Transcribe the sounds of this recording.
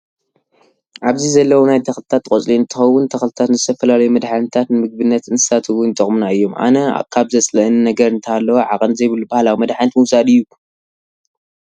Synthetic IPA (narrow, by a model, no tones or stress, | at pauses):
ʔaβzizɐlːɐwonajd̪ʰɐxlɨt̪ʰat̪ʼːkʼot͡sʼliɨnt̪ʰːɨxɐwʊnt̪ʰɐxlɨt̪ʰat̪nzɨt̪ʰɐfɐlalɐjumɐd̪ħanɨt̪ʰat̪nɨmɨɡ̚bɨnːɐt̪ɨnt̪ʰɨ̥sat̪ʰɨwʊnt̪ʼɨχʼmnaɨjːo̞mʔa̰nɐ̰kʰaβzɐt͡sʼlɐɨnnɐɡɐɾɨnt̪ʰalːɐwoʕakʼɐnzɐjβɨlːubahlawimɐd̪ħanɐt̪mɨwsad̪ɨjːu